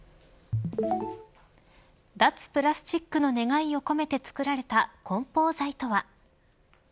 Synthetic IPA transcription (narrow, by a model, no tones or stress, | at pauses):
d̪at͡sɨ̥pɯ̟ɾasɨ̥t͡ɕikːɯ̟no̞ne̞ɡaio̞ko̞me̞t̪e̞t͡sɨ̥kɯ̟ɾaɾe̞t̪akõ̞mpo̞ːzait̪o̞βa